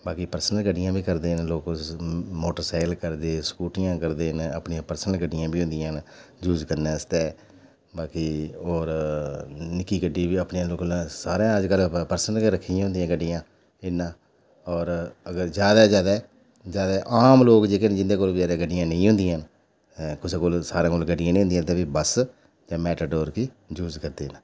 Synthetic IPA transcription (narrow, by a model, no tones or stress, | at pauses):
baːkiːpəɾsnəlɡəɖɪjãːbʱiːkəɾd̪eːnloːk | moːʈəɾsaːɪlkəɾd̪eːskuːʈɪjãːkəɾd̪eːnə̰pnɪːãːpəɾsnəlɡəɖɪjãːbʱiːʊ̃nd̪ɪjãːnd͡ʒuːd͡ʒkəɾnẽːəst̪eː | baːkiːoːɾ | nɪkiːɡəɖiːbiːəpnjãːloːknãːsaːɾãːəd͡ʒkəlpəɾsnəlɾəkʰːiãɦʊ̃nd̪ijãːɡəɖɪjãː | ɪnːãː | ɔːɾəɡəɾd͡ʒjaːd̪aːd͡ʒjaːd̪ɛː | d͡ʒjaːd̪ɛːʔaːmloːkd͡ʒeːkənd͡ʒɪnd̪eːkoːlbd͡ʒaːd̪aːɡəɖːɪjãːnəĩːɦʊ̃nd̪ɪjãːn | kʊseːkoːlsaːɾãːkoːlɡəɖɪjãːnĩɦʊ̃nd̪ijãːt̪ãːbiːbəs | d͡ʒãːmɛːʈaːɖoːɾkiː | d͡ʒuːzkəɾd̪eːn